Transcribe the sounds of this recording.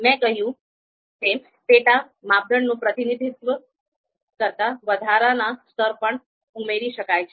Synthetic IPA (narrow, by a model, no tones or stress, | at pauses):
mɛ̃kəɦjũ | ke | peʈa | mab̚d̪ʱəɳnũpɾət̪inid̪ʱit̪ʋə | kəɾt̪aʋəd̪ʱaɾanast̪ʰəɾpəɳ | umeɾiʃəkajt͡ʃʰe